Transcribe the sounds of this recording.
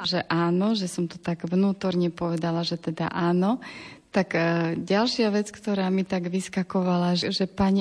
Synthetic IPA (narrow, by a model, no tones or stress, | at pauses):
ʒɛʔaːnɔʒɛsɔmt̪u̥t̪aɡʋnuːt̪ɔɾɲɛpɔʋɛd̪alaʒɛt̪ɛd̪a̰ʔaːnɔt̪aɡɟalʃɪaʋɛt͡skt̪ɔɾaːmit̪aɡʋiskakɔʋalaʒʒɛpaɲ